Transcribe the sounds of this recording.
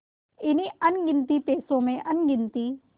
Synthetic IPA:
ɪniɐnɡɪ̃nt̪ipeːsõmẽʔɐnɡɪ̃nt̪i

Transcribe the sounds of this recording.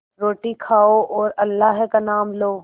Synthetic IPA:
ɾoːʈikʰaːoʔɔːɾɐlːaɦkanaːmloː

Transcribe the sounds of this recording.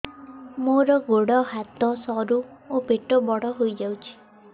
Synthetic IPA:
moɾɔɡoɽɔɦat̪ɔsɔɾuobʱeʈɔbɔɽɔɦojd͡ʒawt͡ʃʰi̥

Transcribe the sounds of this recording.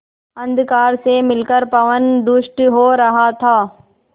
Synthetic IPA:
ɐ̃nd̪kaːɾsemɪlkəɾpɐʋənd̪ʊʃʈɦoːɾɐɦat̪ʰaː

